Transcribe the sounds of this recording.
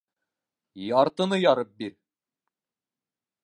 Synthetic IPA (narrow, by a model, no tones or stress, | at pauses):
jɑɾt̪ɤ̆nɤjɒɾɤp̚biɾ